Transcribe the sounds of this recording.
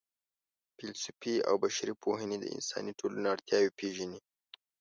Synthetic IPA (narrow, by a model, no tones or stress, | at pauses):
pɪlsʊpia̰wbaʃaɾipʰoɦəned̪ə̰ɪ̰nsɑ̰niʈʰolunaaɽt̪jɑwepeʒəni